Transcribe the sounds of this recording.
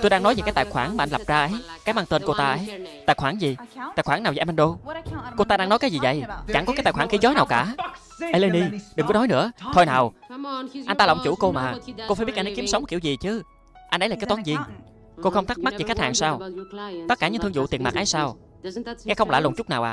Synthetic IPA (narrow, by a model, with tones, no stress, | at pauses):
t̪o˧jɗaː˧ŋnɔ˨˦jve˨˩kaː˨˦jt̪a̰ː˧˨˩xwaː˧˩ŋmaː˨ʔnla˨˩p̚zaː˧ʔə˨˦jkaː˨˦jmaː˧ŋt̪e˧nko˧t̪aː˧ʔə˨˦jt̪a̰ː˧˩jxwaː˧˩ŋzi˨˩t̪a̰ː˧˩jxwaː˧˩naː˨˩wma˧nɗo˧ko˧t̪aː˧ɗaː˧ŋnɔ˨˦jkaː˨˦zi˨˩və̰˧˨jt͡ɕa˧˩ŋkɔ˨˦kaː˨˦˥t̪aː˧˩jxwaː˧˩ŋxi˨˦zɔ˨˦naː˨˩wkaː˧˩ | ə˧le˧ni˧ɗɨ˨˩ŋkɔ˨˦nɔ˨˦jnɨ̰˧˥ət̪ʰo˧jnaː˨˩w | a˧jnt̪a˧lɔ̰˧˨ŋ͡mt͡ɕṵ˧˩ko˧maː˨˩ko˧faː˧˩ɓi˦˥t̚ʔnə˨˦ki˨˦msə˨wŋ͡mki˧˩wzi˨˩t͡ɕɨ˨˦ | ʔa˧nʔə˧˦laː˨˩kːa˨˦jt̪aː˨˦nzi˧˩əŋ | ko˧xə˧ŋ͡mt̪ʰk̚ma˦˥t̚zi˨˩xa˦˥jk̚haː˨˩ŋsaː˧wt̪ə˦˥kaː˧˩ɨ̰˧˥ŋt̪ɨ˧ŋzṵ˧˨t̪i˨˩ənmaː˨˩kʔa˨˦jsaː˧w | ŋɛ˧xə˧wŋ͡mla̰˧˨lo˨˩t͡ɕʊ˦˥k͡p̚naː˨wʔaː˨